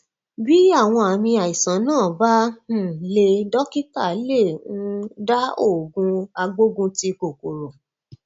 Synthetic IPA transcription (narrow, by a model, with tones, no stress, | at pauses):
bi˦a˦˨w̃ɔ̃˧a˨mĩ˧a˨i˨sã˨˦nãː˦˨bã˦˨le˧dɔ˦ki˦ta˦˨˦lẽ˦˨˧da˦o˦˨ɡũ˧˦a˧ɡ͡bo˦ɡũ˦ti˧ko˨ko˨ɾo˨